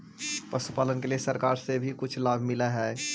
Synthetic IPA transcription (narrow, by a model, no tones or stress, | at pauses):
pɐsupaːlənkeliesɐɾkaːɾsebʱikʊt͡ʃʰlaːbʱmɪlaɦɛː